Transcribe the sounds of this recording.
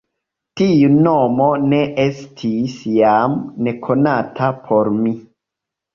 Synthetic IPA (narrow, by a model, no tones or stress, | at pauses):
tiunomo̞ne̞ʔe̞stʰisjamne̞kʰo̞natʰapʰo̞ɾmi